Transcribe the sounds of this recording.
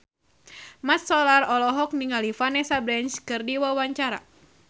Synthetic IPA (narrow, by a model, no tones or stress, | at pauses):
mat̪sɔlarɔlɔɦɔk̚niŋalifanɛsabɾɛnt͡ʃkɨrdiwawaɲt͡ʃaɾa̰